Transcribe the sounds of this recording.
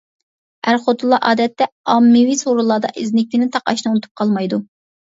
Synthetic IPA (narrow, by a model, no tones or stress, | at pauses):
æɾχot̪ulˠɑʔɑːd̪ɛt̪ːɛɑmːɪwisoɾulˠɑːd̪ɑ̰ʔɪznɪkʲːinɪt̪ʰɑqɑ̰ʃnɨunɨt̪ʰu̥p̚qʰɑlˠmɑjd̪u